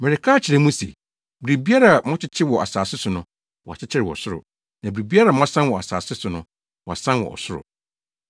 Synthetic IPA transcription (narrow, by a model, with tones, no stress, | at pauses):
mɛ̃˨ɾɪ˨kʰa˦˨t͡ɕʰɪ˨ɾɛ̃˦mũ˦sḛ˨ | bɾi˨bi˦a˦ɾa˨mɔ̃˦t͡ɕʰɪ˦t͡ɕʰɪ˦wɔ˨ʔa˨saː˨sɪ˦sʊ˨nʊ̃˦ | wɔ˨a˨t͡ɕʰɪ˦t͡ɕʰɪ˦ɾɪ˨wɔ̰˨sʊ˦ɾʊ̰˨ | nã˨bɾi˨bi˦a˦ɾa˨m˦ɔ̃˦sã˦nwɔ˨a̰˨sa̰ː˨sɪ˦sʊ˨nʊ̃˦ | wɔ˨a̰˨sã˦wɔ̰˨ɔ̰˨sʊ˦ɾʊ̰˨